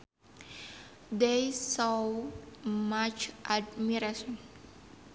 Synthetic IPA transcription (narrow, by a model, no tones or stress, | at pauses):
dejsɔ | mat͡ʃʔad̚miɾasɔ̃n